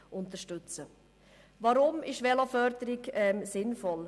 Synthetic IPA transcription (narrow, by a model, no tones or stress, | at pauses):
ʔʊnt̪əʃtʉt͡sə | vɑɾʊmɪʃʋɛlofœɾdəɾɪɡɛmsɪnfɔl